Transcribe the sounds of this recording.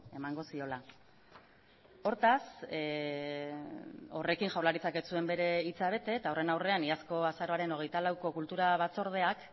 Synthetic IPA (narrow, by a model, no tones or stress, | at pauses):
e̞maŋɡo̞sio̞la | o̞ɾt̪as | o̞̰re̞kiŋʝawɾlaɾit͡sake̞t͡sue̞mbe̞ɾe̞it͡saβ̞e̞t̪e̞t̪ao̞re̞nawre̞aniasko̞asaɾo̞aɾe̞no̞ɣe̞jt̪alawko̞kult̪uɾaβ̞at͡so̞ɾð̞e̞ak